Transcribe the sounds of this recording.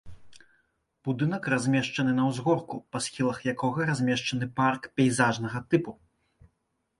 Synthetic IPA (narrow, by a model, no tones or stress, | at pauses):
b̥ud̪ɨn̪ɐkrazʲmʲɛʂt͡ʂɐnɨnɐwzɣɔrkupɐsxʲilˠɐxjakɔɣɐɾazʲmʲɛʂt͡ʂɐn̪ɨparkpʲɛjzaʐnɐɣɐt̪ɨpu